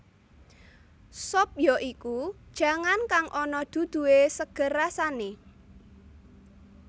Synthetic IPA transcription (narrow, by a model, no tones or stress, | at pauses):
sɔp̚jɔʔikud̥ʒ̥ä̤ŋankaŋʔɔnɔd̪̥ṳd̪̥ṳwesəɡ̥ə̤ɾasane